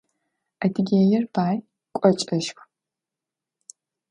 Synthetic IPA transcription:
ɐdʰɨɡʲeːjɪrbaːj | kʷʼɔt͡ʃʼɐʃxʷ

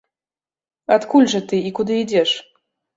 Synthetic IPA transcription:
at̪kulʲʐɐt̪ɨikud̪ɨid͡zʲɛʂ

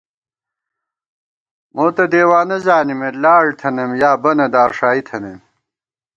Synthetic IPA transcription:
moːt̪ɐd̪eːwaːnɐzaːnimelaːɽt̪ʰɐnemjaːbɐnɐd̪aːɾʂaːit̪ʰɐnem

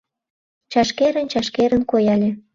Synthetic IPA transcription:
t͡ɕɑʃkeɾə̆nt͡ɕɑʃkeɾənkojɑlʲe

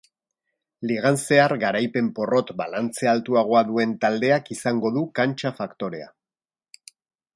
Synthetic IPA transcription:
liɣ̞anse̞arɣaɾajpe̞mpo̞ro̞t̪balant͡sealt̪uaɣ̞o̞aðue̞nt̪ald̪e̞akisaŋɡo̞ðukant͡ʃafakt̪o̞ɾe̞a̰

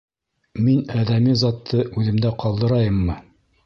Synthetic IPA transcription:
minæðæmizɑt̪ʰːɤʔʉðɘ̆md̪æqɑlˠd̪ɤ̆ɾɑjɤmːɤ

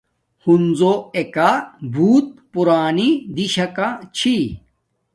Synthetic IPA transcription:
hunzoekabʱuːt̪̚puɾaːnid̪iɕɐkat͡ɕʰi

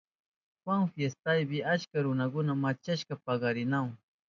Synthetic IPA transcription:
xwaŋfjest̪ajbɪat͡ʃkaɾʊnakʊnamat͡ʃaʃkapaɢɑɾɪnaw

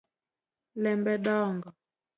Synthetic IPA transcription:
lɛmbɛɗaːŋɡa

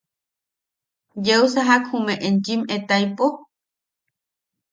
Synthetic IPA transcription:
jewsaɦakhumẽʔent͡ʃimet̪ajpo

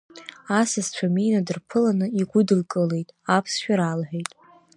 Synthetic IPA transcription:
asazt͡ɕʷʰaminadɨrpʰɨlanɨiɡʷʊdɨlkʼɨle̞jtʼapʰsʃᶣaɾalħʷᶣejtʼ

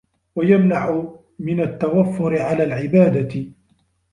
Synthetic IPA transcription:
wajamnaʕʊ | mɪnat̪ːawafːʊɾɪʕalaːlʕɪbaːd̪a

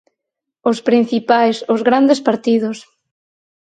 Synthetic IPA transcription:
ʊspɾĩn̟θipajsʊzɣɾand̪espaɾt̪iðʊs

